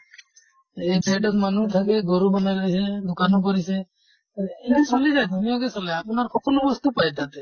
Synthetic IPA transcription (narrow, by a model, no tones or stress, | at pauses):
epeɖɔt̪manut̪ʰakeɡoɾubanakised̪ukanɔk̬ɔɾise | ensʰɔlid͡ʒajd̪ʱunijoɡesɔlaapnaɾkɔkɔlobɔst̪upajt̪at̪e